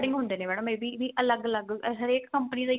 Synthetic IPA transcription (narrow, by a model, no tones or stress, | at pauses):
ɽɪ̃ŋɡɦʊ̃nd̪eːneːmɛːɽõːmẽːbiːʋiːʔələɡələɡɦəɾeːkːəmpəniːd̪aiː